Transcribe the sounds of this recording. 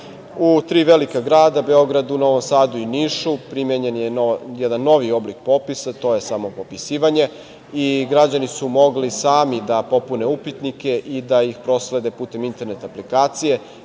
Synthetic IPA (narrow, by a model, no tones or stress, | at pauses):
ut̪ɾiːʋelikaɡɾaːd̪abe̞o̞ɡɾad̪unaoʋomsaːd̪uiniʃupɾimjeɲe̞njejɛd̪anːo̞ʋio̞blik̚po̞pisat̪o̞je̞samopo̞pisiːʋaɲe̞ | iɡɾad͡ʑanisumo̞ɡlisaːmid̪apo̞pune̞upit̪nike̞ʔid̪aixpɾo̞sle̞d̪e̞puːt̪e̞mint̪e̞ɾnet̪aplikaːt̪sije̞